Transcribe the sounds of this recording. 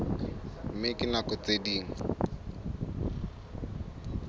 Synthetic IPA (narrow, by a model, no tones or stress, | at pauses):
m̩mɪkɪnakɔt͡sediːŋ̩